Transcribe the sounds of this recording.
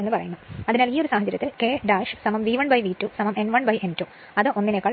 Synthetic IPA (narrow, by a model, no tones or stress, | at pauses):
enːɨpɐrɐ̰junːɐɐðinaːliːoɾusaːɦɐt͡ɕːɐɾjɐt̪ːilkeːɖaːʂsɐmɐmʋiːʋɐɳbɐjʋiːtːusɐmɐme̞nʋɐɳbɐjentu | ɐðɨʔo̞nːinekːaːɭ